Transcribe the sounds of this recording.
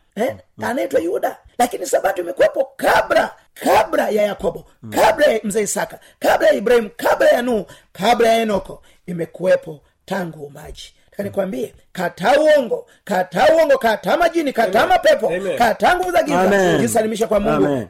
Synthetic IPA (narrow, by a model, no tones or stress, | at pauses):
ɛ | anɛtwajuda | lakinisabatuimɛkuwɛpɔkabla | kʰabɾajajakɔbɔ | kabɾajam̩zɛisaka | kablajaibɾahimukablajanuhu | kablajaɛnɔkɔ | imɛkuwɛpɔ | taŋɡumbad͡ʒi̥ | akanikwambiɛ | katauɔŋɡɔ | katauhɔŋɡɔkatamad͡ʒinikatamapɛpɔkataŋɡuvuzaɡizad͡ʒisalimiʃ̬akwamuɡu